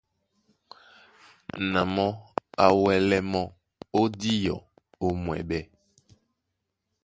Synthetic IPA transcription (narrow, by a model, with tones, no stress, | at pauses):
nã˨mɔ̃˦a˨wɛ˨lɛ˦mɔ̃˦ | o˦di˦jɔ̰˨ | o˦mwɛ̰˨bɛ˦